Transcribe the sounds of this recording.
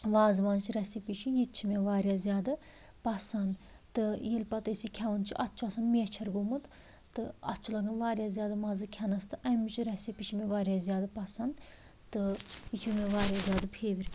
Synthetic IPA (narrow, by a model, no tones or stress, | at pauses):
ʋaːzʋaːnt͡ʃʰiɾɛsipiʃijit̪t͡ʃʰimʲeʋaːɾʲjaːzʲjaːd̪ɨ | pɐsɐnd̪ | t̪ɨjelpɐt̪ɐsikʲʰɛʋɐnt͡ʃʰiʔɐt̪t͡ʃʰuɐsɐnmiɛt͡ʃʰɐɾɡumɨt̪ | t̪ɨɐ̰t̪t͡ʃʰulɐɡɐnʋaːɾjaːzjaːd̪ɨmaːzɨkʲʰɛnɐst̪ɨʔɐmit͡ʃʰiɾɛsipʲiʃʰimeʋaːɾʲjaːzijaːd̪ɐpɐsɐnd̪ | t̪ɨit͡ʃʰumʲeʋaːɾjaːzʲjaːd̪ɨpʰeːʋiɾʲ